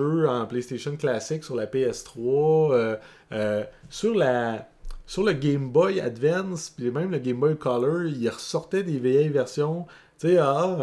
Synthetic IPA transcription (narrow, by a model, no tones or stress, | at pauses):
øɑ̃plɛjst̪eʃɔnklasɪksyʁlapeɛst̪ʁwɔ | syʁla | syʁləɡʲɛ̃mbɔja̰d̪vɛnspimɛ̃ɪ̃mləɡʲɛ̃mbɔjkʰɑlœ˞iʁəsɔʁt̪ɛd̪eveɛjvɛʁsjɔ̃ | t͡seɑ